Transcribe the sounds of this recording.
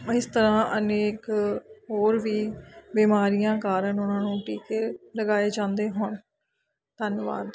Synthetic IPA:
ɪst̪əɾãːʔəneːkɦoːɾʋiːbiːmaːɾijãːkaːɾənʊnãːnũːʈiːkeːləɡaːeːd͡ʒãːnd̪eːɦon | t̪ənʋa̰ːd̪

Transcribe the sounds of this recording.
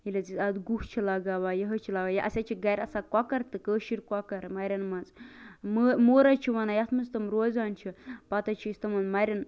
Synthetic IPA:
ɦilʲɐzisɐd̪ɡuht͡ʃʰilaɡaːʋaːjɐɦɐt͡ʃʰilaʋaːjɐʔɐ̰sʲat͡ʃʰiɡɐɾʲɐsakwakɐɾt̪ɨkəːʃiɾkwakɐɾmɐɾʲɐnmɐnzməmoːɾɐt͡ʃʰiʋanaːjɐt̪ʰmɐst̪ɐmɾoːzaːnt͡ʃʰipat̪ɐt͡ʃʰiist̪ɐmɐnmɐɾʲɐn

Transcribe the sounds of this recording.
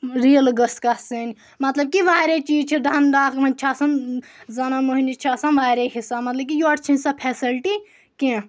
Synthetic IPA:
ɾijəlɡəskɐsenʲ | mɐt̪lɐb̚kiʋaːɾet͡ʃiːzt͡ʃʰiɖ̪ʱɐnɖ̪aːkmɐ̃nʲt͡ʃʰaːsɐnzɐnamoɦnʲit͡ʃʰasɐnʋaːɾeɦisamɐt̪lɐb̚kijoːʈt͡ʃʰinʲsɐpʰeːsilʈi | kẽ

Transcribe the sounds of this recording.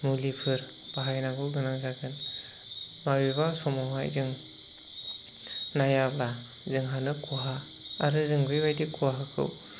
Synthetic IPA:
mulipʰɯɾ | b̥aɦajnabɯwɡɯnazaɡɯn | mabiβasɔmawɦa̰jzɯŋ | najabla | zɯŋɦanɯkuaɦaː | ɾɯzɯŋbɯjbajdikuaɦakʰɯ̰w

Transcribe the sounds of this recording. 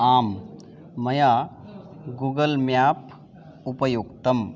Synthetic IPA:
aːmː | ɐja | ɡuɡəlmjap | upəjukt̪əm

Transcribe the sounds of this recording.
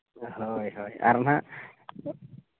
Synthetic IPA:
hojɦoja̰ɾna

